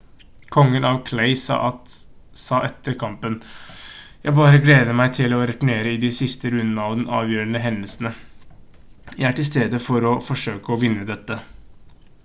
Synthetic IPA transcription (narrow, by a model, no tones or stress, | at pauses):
kʰɔŋːənɑʋkʰleɪsɑ̰ːʔɑt̪ | sɑːʔɛt̪ʰːəɾkʰɑmpən | jæɪbɑːɾəɡleːd̪əmæɪt̪ʰɪlɔɾɛt̪ʊɳeːɾəɪd̪ɪsɪst̪əɾʉnd̪ənəɑʋd̪ɛnʔɑ̰ːʋjøːɾənəɦɛnəlsn̩ə | jæɪæʈɪlst̪eːd̪əfɔɾɔfɔʂøːkəɔʋɪnːəd̪ɛt̪ːə